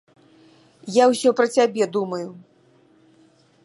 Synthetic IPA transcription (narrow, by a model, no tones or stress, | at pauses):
jawsʲɔpɾɐt͡sʲabʲɛd̪umɐju